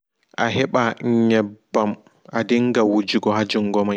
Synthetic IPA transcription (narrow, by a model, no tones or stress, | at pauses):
ʔaɦɛɓaɲɛbːam | ʔadiŋɡawud͡ʒiɡɔɦad͡ʒuŋɡɔmaj